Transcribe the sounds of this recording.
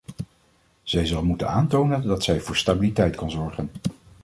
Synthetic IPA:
z̥ɛjzɑlˠmutə̰naːntownəndɑtsɛjvʊːɹstaːbilitɛjtkɑnzɔɹχən

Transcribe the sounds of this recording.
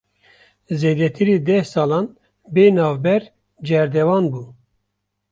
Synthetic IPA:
zeːd̪ɛt̪ʰiɾiːd̪ɛhsɑːlɑːn | beːnɑːvbɛɾ | d͡ʒɛɾd̪ɛvɑːnbuː

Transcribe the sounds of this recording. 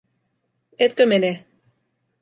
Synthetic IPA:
et̪̚kømene

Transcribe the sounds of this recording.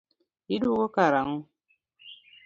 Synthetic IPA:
iduɡokaɾaŋu

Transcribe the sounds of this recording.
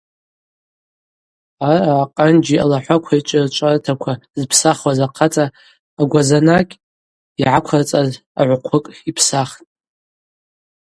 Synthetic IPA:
aɾaːqʼand͡ʒia̰laħʷakʷʰait͡ʃʷʼɪrt͡ʃʷʼartʰakʷʰazpʰsaχwazaqʰat͡sʼaː | ɡʷazanakʲʼ | iʕakʷʰart͡sʼaz | a̰ʕʷqʷʰʊkʼipʰsaχtʼ

